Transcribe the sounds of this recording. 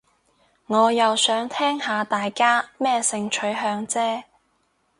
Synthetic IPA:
ŋɔː˨˧jɐ˨wsœː˨˥ŋt̪ʰɛː˥ŋhaː˨˧t̪aː˨jkaː˥mɛː˥sɪ˧ŋt͡ʃʰɵ˨˥ɥɦœː˧ŋt͡sɛː˥

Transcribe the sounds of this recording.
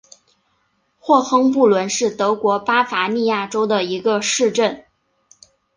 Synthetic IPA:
xwɔ˥˩xɤ˥ŋp̬u˥˩lwə˧˥nʂɻ̩˥˩t̪ɤ˧˥kwɔ˧˥pa˥fa˧˥ni˥˧ja˥˩ʈ͡ʂo˥ʊd̪ə˨i˧˥ɡə˧ʂɻ̩˥˧ʈ͡ʂə˥˩n

